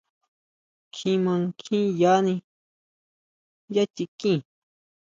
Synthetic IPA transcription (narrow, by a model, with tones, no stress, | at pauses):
kʰĩ˧mã˧kʰĩ˦ja˨˦nĩ˧ | ja˦t͡ʃi˧kĩ˦˨